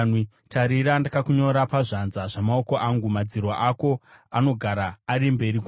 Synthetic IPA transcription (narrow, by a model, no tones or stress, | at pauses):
ni | tʰaɾiɾandakakuɲo̞ɾapaʐanzaʐ̥amaoko̞ʔaŋɡumad͡zirwaʔako̞ano̞ɡʱaɾaːɾimbe̞ɾik